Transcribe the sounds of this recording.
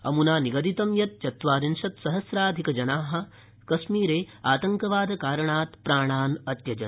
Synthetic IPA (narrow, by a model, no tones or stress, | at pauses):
ɐ̰munaːniɡɐd̪it̪ɐmjɐt̪̚t͡ʃɐt̪ʋaːɾinʃɐt̪sɐɦɐsɾaːd̪ʱikɐd͡ʒɐnaːɦɐ̆ | kɐʃmiːɾeː | aːt̪ɐŋkɐʋaːd̪ʱɐkaːɾɐɳaːt̪pɾaːɳ̃aːnɐt̪jɐd͡ʒɐ̰n